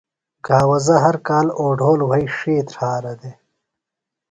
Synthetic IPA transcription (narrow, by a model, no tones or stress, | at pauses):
ɡaːwɐzɐɦɐɾkaːloːɖʱoːlwɐjʂeːt̪ɾʰaːɾɐd̪e